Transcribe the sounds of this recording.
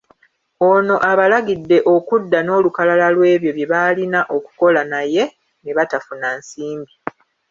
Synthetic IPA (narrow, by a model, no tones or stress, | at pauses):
o̞no̞ʔaβalaɡidːe̞ʔo̞kudːano̞ːlukalalalwe̞ːβjo̞βje̞βaːlinaʔo̞ku̥ko̞lanaje̞ | neβatafunansiːmbi